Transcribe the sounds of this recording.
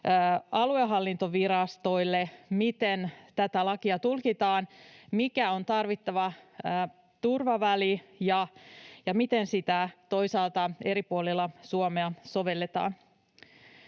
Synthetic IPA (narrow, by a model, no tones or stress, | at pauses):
ɑlueɦɑlːint̪oʋiɾɑst̪o̞jlːemit̪ent̪æt̪ælɑkiɑt̪ulkit̪ɑːnmikæo̞nt̪ɑrʋit̪ːɑʋɑəː | t̪urʋɑʋælijɑjɑmit̪ensit̪æt̪o̞jsɑːlt̪ɑe̞ɾipuolilːɑsuomeɑso̞ʋe̞lːet̪ɑ̰ːn